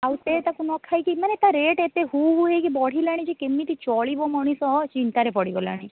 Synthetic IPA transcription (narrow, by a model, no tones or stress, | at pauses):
awt̪et̪akunɔkʰajkimanet̪aɾeʈet̪eɦuɦuɦejkibɔɽ̤ʱilaɽ̃id͡ʒikemːit̪it͡ʃɔɭibɔmɔɽ̃isɔt͡ʃint̪aɾepɔɽibɔla̰ɽ̃i